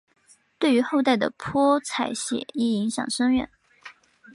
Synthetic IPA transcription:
t̪we˥˩ɪy˧˥xo˥˧ʊt̪a˥˩ɪd̪ə̰˩pʰwɔ˥t͡sʰa˨˧˩ɪɕjɛ̰˨˩˦i˥˩i˧˥ŋɕjɑ̰˨˩ŋʂɤ˥ŋɥɛ̰˥˩˦n

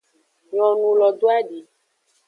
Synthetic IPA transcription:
ɲɔ̃˨nũ˨lɔ˨d̪o˦a˦ɖi˨

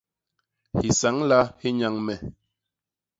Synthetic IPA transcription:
hi˨sa˨˦ŋla˦hi˦ɲa˦ŋmɛ˨

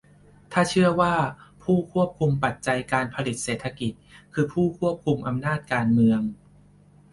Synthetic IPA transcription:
t̪ʰaː˥˩t͡ɕʰɯ˥˩ɐwaː˥˩pʰuː˥˩kʰu˥˩əp̚kʰu˧mpa˨˩t̪̚t͡ɕa˧jkaː˧npʰa˧li˨˩t̪̚seː˨˩t̪ʰːa˧ki˨˩t̪̚kʰɯː˧pʰuː˥˩kʰu˥˩əp̚kʰu˧mʔa˧mnaː˥˩t̪̚kaː˧nmɯ˧əŋ

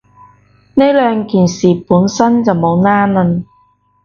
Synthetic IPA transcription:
ne˥lœː˨˧ŋkiː˨˩nsiː˨˩puː˨˥nsɐ˥nt͡sɐ˨wmo˨˧wnaː˥nlə˧n

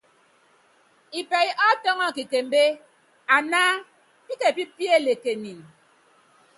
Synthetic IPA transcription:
i˨pe˨i˦ʔɔ˦tɔ˦ŋɔ˦˨ki˨ke˨m̩˦be˦ | a˨na˦ | pi˦ke˨pi˦pje˦˨le˨ke˨ni˨n

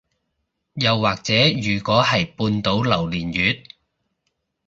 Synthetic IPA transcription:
jɐ˨˧wːaː˨k̚t͡sɛː˨˥jyː˨˩kɔː˨˥hɐ˨jpuː˧nt̪o˨˥wlɐ˨˩wliː˨˩njyː˨˥t̚

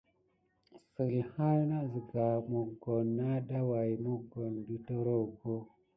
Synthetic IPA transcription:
sə˨lha˦lna˦zi˨ɡa˨mu˨ɡo˨nːa˦ɗa˦wa˨jmu˦ɡo˨ndu˦to˦ɾo˦wɡo˦

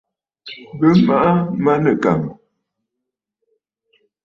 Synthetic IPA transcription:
bə˦ma˦ʔa˦ma˦nə˨ka˨m

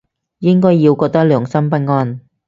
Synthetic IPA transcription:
jɪ˥ŋkɔː˥jːiː˨˧wkɔː˧t̪ɐ˥k̚lœː˨˩ŋsɐ˥mpɐ˥t̚ŋɔː˧n

